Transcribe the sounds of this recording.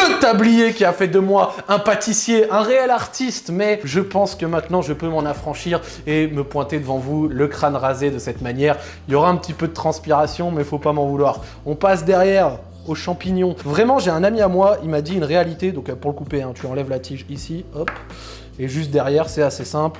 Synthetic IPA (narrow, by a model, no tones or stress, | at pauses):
ət̪ablijekʲiafɛd̪əmwaɛ̃pat̪isjeʔɛ̃ʁeɛlaʁt̪ist̪mɛʒəpɑ̃skəmɛ̃t̪nɑ̃ʒəpømɑ̃nafχɑ̃ʃiʁ | eməpwɛ̃t̪ed̪əvɑ̃vuləkχanʁazed̪əsɛt̪manjɛːʁ | iljɔʁaɛ̃pət̪ipød̪ət̪χɑ̃spiʁasjɔ̃mɛfopamɑ̃vulwaːʁ | ɔ̃pas̬d̪ɛʁjɛʁ | oʃɑ̃piɲjɔ̃vʁɛmɑ̃ʒeɛ̃namiamwailmad̪iynʁealit̪ed̪ɔ̃kəpuʁləkupeɛ̃t̪yɑ̃lɛvlat̪ʰiʒisiɔp | eʒyst̪̚d̪ɛʁjɛʁsɛasesɛ̃pl